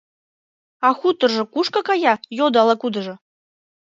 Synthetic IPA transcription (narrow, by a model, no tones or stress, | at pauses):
ɑxut̪ɤ̆rʒɤ̆kuʂkakɑjɑjod̪ɑlˠɑkud̪ɤ̆ʒɤ̆